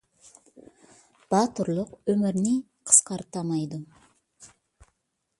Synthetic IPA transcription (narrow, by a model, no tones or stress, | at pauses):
b̥ɑt̪ʊɾlˠʊqɵmɪɾni | qʰə̥sqɑɾt̪ɑmɑjd̪ʊ